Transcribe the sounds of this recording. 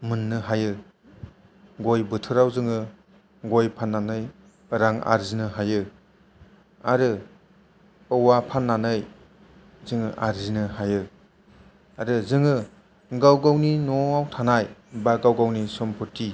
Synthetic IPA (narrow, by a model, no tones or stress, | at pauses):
mɯnːɯɦajɯ | ɡojbɯtʰɯɾawzɯŋɯ | ɡojpʰanːanɯj | ɾaŋa̰ɾzinɯɦajɯ | aɾɯ | əwapʰanːanɯj | zɯŋɯʔa̰ɾzinɯhajɯ | aɾɯzɯŋɯ | ɡawɡawninɔawtʰanajbaɡawɡawnisɔmpʰɔtːi